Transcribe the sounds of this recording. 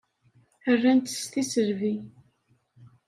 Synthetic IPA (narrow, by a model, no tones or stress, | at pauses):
ərːænt̪ə̥st̪isəɾvi